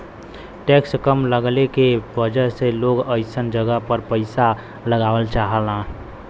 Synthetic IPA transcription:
ʈeːkskəmləɡlekebəd͡ʒəseloːɡəɪsənd͡ʒəɡəɦpəɾpəɪsa | ləɡaːʋəlt͡ʃaɦəlã

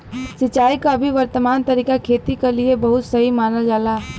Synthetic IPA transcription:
sɪt͡ʃaːikabʱiʋɐɾt̪əmaːnt̪ɐɾiːkakʰeːt̪ikeliebɐɦʊt̪sɐɦimaːnəld͡ʒaːlaː

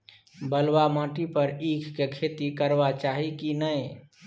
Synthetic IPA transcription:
bəlwamãʈipəɾikʰkekʰet̪ikəɾbat͡ʃaɦikinəj

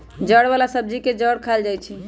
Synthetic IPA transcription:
d͡ʒəɽβalasəb̚d͡ʒiked͡ʒəɽkʰald͡ʒajt͡ʃʰi

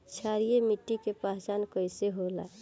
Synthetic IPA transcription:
t͡ʃʰaɾijemiʈːikepaɦt͡ʃankəɪseɦola̰

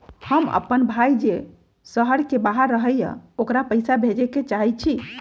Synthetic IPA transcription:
həmə̰pːənbʱajd͡ʒe | səɦəɽkebaɦəɾːəɦəjə̰̃okɾapəjsabʱed͡ʒeket͡ʃaɦɛt͡ʃʰi

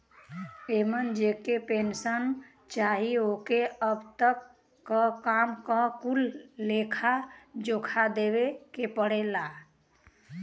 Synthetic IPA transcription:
emənd͡ʒekepensən | t͡ʃaɦiokeəbt̪əkː | əkamkəkulːekʰad͡ʒokʰad̪ebekepəɽela

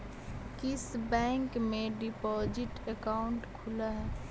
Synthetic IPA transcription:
kɪsbɛ̃ːŋkmẽɖɪpɔːd͡ʒɪʈekaːʊɳʈkʰʊlaɦɛː

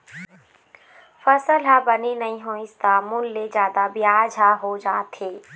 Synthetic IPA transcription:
fɐsəlɦabɐninɐɦĩɦõːɪ̃st̪aːmʊlːed͡ʒjaːd̪abɪjaːd͡ʒʱaːɦod͡ʒaːt̪ɦeː

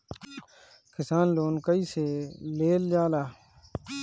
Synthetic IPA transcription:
kʰɪsaːnloːnkəiːseːleːld͡ʒaːlaː

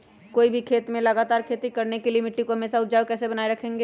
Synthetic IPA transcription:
koːibʱikʰeːt̪mẽlɐɡaːt̪aːɾkʰeːt̪ikɐɾnekelɪmɪʈːikoɦɐmeːsaʊt̪ːd͡ʒaːʋkɛːsebɐnaːeɾɐkʰẽːŋɡeː

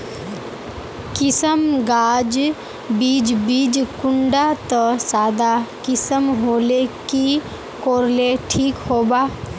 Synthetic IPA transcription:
kɪsəmɡaːd͡ʒ | biːd͡ʒbid͡ʒkʊɳɖat̪ɔsaːd̪akɪsəmɦoːleki | koːɾleʈʰiːkhoːbaː

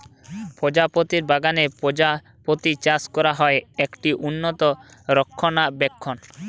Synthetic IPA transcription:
pod͡ʑapot̪iɾbaɡanea | pot̪it͡ɕaskɔɾaɦɔeekʈiʔunːot̪oɾɔkʰːonabɛkʰːon

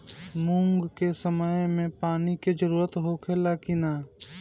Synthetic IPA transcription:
mũːŋɡkesəməjmẽpaːniked͡ʒəɾuːɾət̪ɦokʰelakinaː

